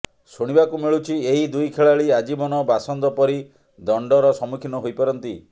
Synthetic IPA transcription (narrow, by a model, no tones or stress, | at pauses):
suɽ̃ibakumiɭut͡ʃʰieɦid̪ujkʰeɭaɭiad͡ʒibɔnɔbasɔnd̪ɔpɔɾi | d̪ɔɳɖɔɾɔsɔmukʰinɔɦojpɔɾɔnt̪i